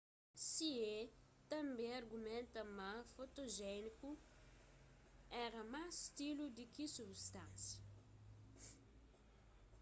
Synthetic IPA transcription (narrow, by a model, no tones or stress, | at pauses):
siet̪ɐ̃mbẽj̃ɐɾɡumẽnt̪ɐmafot̪oʒɛniku | ɛɾɐmasst̪ilud̪ikisubst̪ãnsjɐ